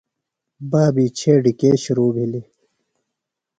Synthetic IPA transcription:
baːbiːt͡ɕʰeːɖikeːɕuɾuːbʱili

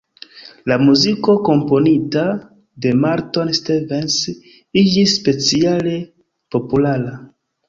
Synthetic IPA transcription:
lamuziko̞ko̞mpo̞nita | de̞maɾto̞nstevens | id͡ʒisːpe̞t͡siale̞ | po̞pulaɾa

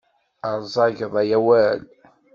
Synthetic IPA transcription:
əɾˤzˤɑʝðˤæjæwæl

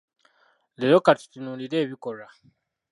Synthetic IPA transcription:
leɾokatu̥tinuliɾe̞ːβikoɾa

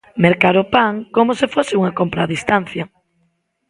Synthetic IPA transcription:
meɾkaɾopaŋkomʊsɪfosɪuŋɐkompɾaðist̪anθjɐ

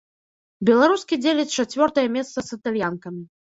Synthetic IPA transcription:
bʲɛlˠaɾuskʲid͡zʲelʲɛt͡sʲt͡ʂat͡sʲvʲɔrt̪ɐjɐmʲɛst̪sɐsɨt̪alʲjankɐmʲi

